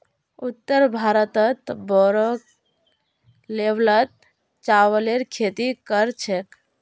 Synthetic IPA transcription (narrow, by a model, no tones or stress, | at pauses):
ut̪ːəɾbʱaɾət̪ət̪bɔɾɔ | leblət̪̚ | t͡ʃawəleɾkʰet̪ikəɾt͡ʃʰek